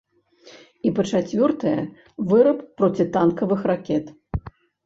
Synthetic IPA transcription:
ipɐt͡ʂat͡sʲvʲɔrt̪ɐjɐ̰ | vɨɾɐppːɾɔt͡sʲit̪ankɐvɨxrakʲɛt̪

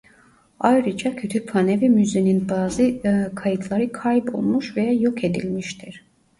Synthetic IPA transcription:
ajɾɯd͡ʒɑcʰø̞t̪ʰypʰanevimyzeninbaːzɯkʰajɯt̪ʰlˠaɾɯkʰajbo̞̰lˠmuʃvejajo̞kʰe̞d̪ḭlʲmiʃt̪ʰiɾ̥

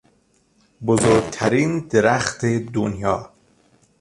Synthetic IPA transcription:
bozoːɾɡt̪ʰæɾiːnd̪eɾæxt̪ʰed̪onjɒː

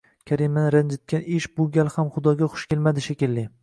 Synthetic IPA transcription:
kʲʰaɾimanɪɾand͡ʒɪt̪̚kʲanɪʃbʊɡʲalˠhamχʊd̪ɒɡʲaχʊ̥ʃkʲelmad̪ɪʃakʲɪlːɪ

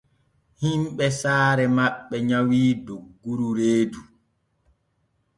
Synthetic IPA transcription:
himɓɛsaːɾɛmaɓːɛɲawiːdoɡːuɾuɾeːdu

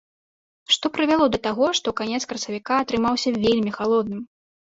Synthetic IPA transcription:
ʂt̪ɔpɾɨvʲalˠɔd̪ɐt̪aɣɔʂt̪ɔkanʲɛt̪skɾɐsɐvʲikaːt̪ɾɨmawsʲɐvʲelʲmʲixalˠɔd̪̚nɨm

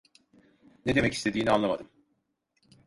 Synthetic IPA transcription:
ne̞d̪e̞mɛcist̪ʰe̞d̪iːnianˠamad̪ɯm

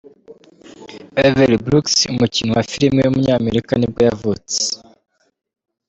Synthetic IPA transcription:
eveɾibɾuksumucinuwafiɾimejwumuɲaːme̞ɾikanib̚ɡojavut͡se̥

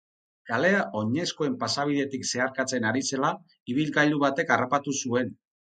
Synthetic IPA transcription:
kale̞aʔo̞ɲe̞sko̞e̞mpasaβ̞iðe̞t̪ikse̞aɾkat͡se̞naɾise̞la | iβ̞ilɡajʎuβat̪e̞karapat̪usue̞n

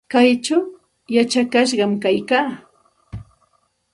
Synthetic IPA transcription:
kajt͡ʃaw | jat͡ʃakaʃ̬ɢɑmkajkaː

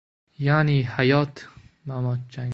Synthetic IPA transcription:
jaːniːhajɒːt̪ʰmamɒt͡ʃːa

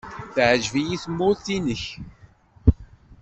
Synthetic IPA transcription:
θʕəʒvijiθmːʊɾθinəç

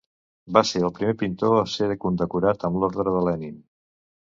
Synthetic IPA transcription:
baseəlˠpɾimepint̪oəseɾəkund̪əkuɾat̪əmloɾðɾəðəlɛnim

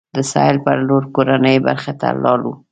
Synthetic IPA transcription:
d̪əsɑjɪlpəɾloɾkoɾanəjba̰ɾxat̪a̰lɑlu

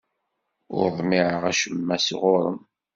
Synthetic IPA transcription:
ʊ̰ɾðˤmiʕəʁæʃəmːæsʁʊɾˤə̰m

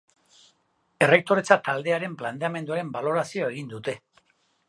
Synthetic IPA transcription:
e̞re̞k̚t̪o̞ɾe̞t͡sat̪ald̪e̞aɾe̞mplant̪eame̞nd̪uaɾe̞mbalo̞ɾasio̞e̞ɣind̪ut̪e̞

